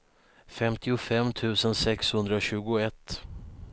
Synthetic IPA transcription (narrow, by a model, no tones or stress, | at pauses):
fɛmt̪ʰɪʊfɛmːt̪ʰʉ̟ːsənsɛkshɵnd̪ɾaɕʉ̟ːɡʊɛt̪ː